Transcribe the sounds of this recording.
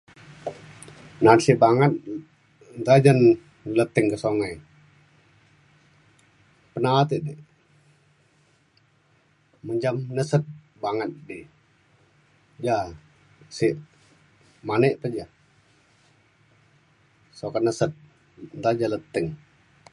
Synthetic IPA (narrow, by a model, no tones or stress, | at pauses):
nansiʔbaŋət̪̚ | nt̪ad͡ʒən | lət̪ɪŋkəsoŋəj | pənat̪iʔdəʔ | məɲd͡ʒamnəsət̪̚ | baŋət̪̚di | d͡ʒa | siʔ | manəʔpəd͡ʒa | sokanəsət̪̚ | nt̪ad͡ʒələt̪ɪŋ